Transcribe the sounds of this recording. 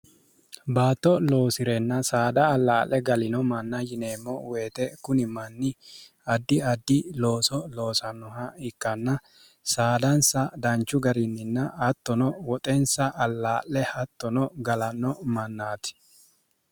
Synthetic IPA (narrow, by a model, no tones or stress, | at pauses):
baːt̪ːɔlo̞ːsɪɾɛnːɐsaːd̪ɐːlːaːʔːɛɡɐlɪnɔmɐnːɐjɪne̞ːmːɔweːt̪ɛkʊnɪmɐnːɪ | ɐd̪ːɪɐd̪ːɪlo̞ːsɔlo̞ːsɐnːɔɦɐɪkːɐnːɐ | saːd̪ɐnsɐd̪ɐnt͡ʃːʊɡɐɾɪnːɪnːɐɐt̪ːɔnɔwɔt̪ʼɛnsɐʔɐlːaːʔːɛhɐt̪ːɔnɔɡɐlɐnːɔmɐnːaːt̪ɪ̥